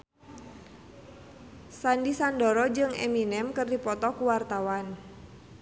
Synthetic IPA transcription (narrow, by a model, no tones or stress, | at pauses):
sandisandɔɾɔd͡ʒɨŋɛ̰minɛmkɨrdipɔt̪ɔkuwart̪awan